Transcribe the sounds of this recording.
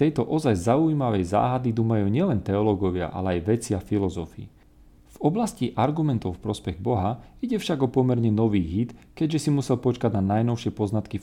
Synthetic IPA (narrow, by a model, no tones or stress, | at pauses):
t̪ɛjt̪ɔʔɔzajzaujimaʋɛjza̰ːɦad̪id̪umajuɲɪɛlɛnt̪ɛɔlɔɡɔʋɪa̰ʔa̰lɛajʋɛt͡siafilɔzɔfiː | v̥ɔblasciʔaɾɡumɛnt̪ɔʊfpɾɔspɛɣbɔɦaiɟɛfʃaɡɔpɔmɛɾɲɛnɔʋiːɦit̪kɛɟʒɛsimusɛlpɔt͡ʃkaɟnanajnɔʊʃɪɛpɔznat̪ki